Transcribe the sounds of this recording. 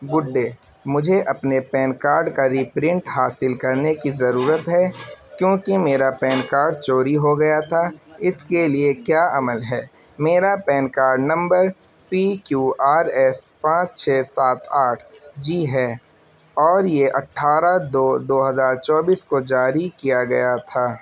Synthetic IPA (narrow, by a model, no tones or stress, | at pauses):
ɡʊɖːeː | mʊd͡ʒʱeʔɐpnepɛːnkaːɾɖkaɾiːpɾɪ̃ɳʈɦaːsɪlkɐɾnekizɐɾuːɾət̪ɦɛkjõːkimeːɾapɛːnkaːɾɖ̚t͡ʃoːɾiɦoɡɐjat̪ʰaɪskeliekjaːʔɐməlɦɛː | meːɾapɛːnkaːɾɖnɐ̃mbəɾ | pikjuːaːɾɛspãːt͡ʃt͡ʃʰeːsaːt̪aːʈʰd͡ʒiːɦɛː | ɔːɾjeʔɐʈʰːaːɾad̪oːd̪oːɦɐzaːɾt͡ʃɔːbiːskod͡ʒaːɾikijaɡɐjat̪ʰaː